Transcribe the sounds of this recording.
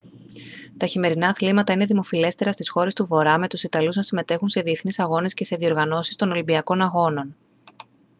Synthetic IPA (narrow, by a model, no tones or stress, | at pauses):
t̪ɐçime̞ɾinɐːθlimɐt̪ɐine̞ðimo̞file̞st̪e̞ɾɐst̪isxo̞ɾe̞st̪uvo̞ɾɐme̞t̪usit̪ɐluznɐsime̞t̪e̞xunse̞ðie̞θnisɐɣo̞ne̞sce̞se̞ðio̞ɾɣɐno̞si̥st̪o̞no̞limbiɐko̞nɐɣo̞no̞n